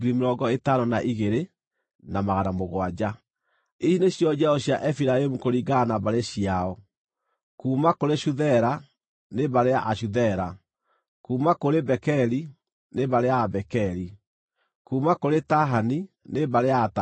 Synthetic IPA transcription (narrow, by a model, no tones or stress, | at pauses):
ɡɾimeɾɔɡɔetaɾɔnaʔiɣeɾe | namaɣanamoɣwad͡ʑa | isineɕjɔd͡ʑaɔɕjaʔɛfiɾaemukoɾiɡanaβaɾeɕiaɔ | kuːmakoɾeʃuðɛɾa | neβaɾeaʔaɕuðɛɾa | kuːmakoɾebɛkɛɾi | neβaɾeabɛkɛɾi | kuːmakoɾetaɦanineβaɾeata